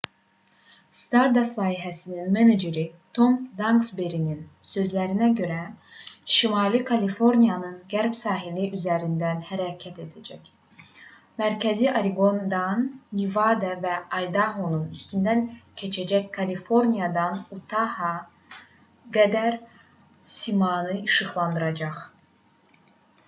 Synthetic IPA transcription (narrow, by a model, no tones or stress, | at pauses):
st̪ɑɾd̪ɑslˠɑːiɦæsininmened͡ʒeɾit̪ʰo̞md̪ɑŋɡsbeɾininsø̞zlæɾinæɟø̞ɾæʃimɑlikʰɑlifo̞ɾnijɑnɯnɟæɾpsɑːɦiliʔyzæɾind̪ænhæɾɑcʰæt̪e̞d̪æd͡ʒæc | mæɾcʰæziʔɑɾiɡo̞nd̪ɑnːivɑd̪ɛvæɑjd̪ɑɦonunyst̪ynd̪æncʰe̞t͡ʃʰæd͡ʒæckʰɑlifo̞ɾnijɑd̪ɑnut̪ʰɑhɑ | ɡæd̪æɾ | simɑnɯiʃɯχlˠɑnd̪ɯɾɑd͡ʒɑχ